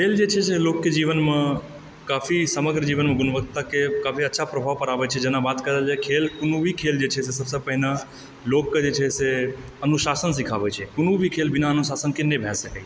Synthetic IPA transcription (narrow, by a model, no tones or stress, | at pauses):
kʰeld͡ʒet͡ʃʰeselokjəd͡ʒiʋənmã | kafisəməɡɾəd͡ʒiʋənmãɡʊnʋəkt̪akekafiətːʃʰapɾəbʱaʋpəɾaʋet͡ʃʰed͡ʒenãʋat̪kəɾelt͡ʃekʰelkʊnuʋikʰeld͡ʒet͡ʃʰes̬es̬əbsəpəɦinã | lokːd͡ʒet͡ʃʰese | ənũʃasənsikʰaʋet͡ʃʰekʊnuʋikʰelbinaənũsasənkenebʱɛsekaj